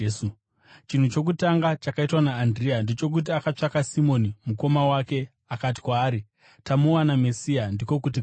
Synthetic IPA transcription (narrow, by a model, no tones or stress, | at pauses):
t͡ʃin̤ut͡ʃo̞k̬utaŋɡat͡ʃakaitwanaːndriandet͡ʃo̞k̬ut̬iakat͡ʂakasimo̞nimuko̞mawake̞ | akat̬i̥kwaːɾi | tamowanamesiandiko̞kut̬i